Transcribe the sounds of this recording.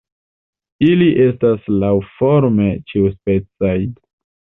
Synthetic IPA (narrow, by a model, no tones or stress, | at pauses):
iliʔe̞staslawfoɾme̞t͡ʃiuspe̞t͡saj